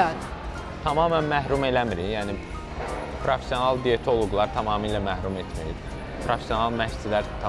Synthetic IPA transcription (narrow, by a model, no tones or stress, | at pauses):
t̪ʰɑmɑːmænmæɦɾume̞læmiɾijæːni | pʰɾofe̥sjo̞nɑlˠd̪ijet̪ʰolˠuɡlˠɑɾt̪ʰɑmɑːmilæmæhɾumet̪ʰmiɾḭ | pʰɾofesjonɑlˠmæçsilæɾt̪ʰ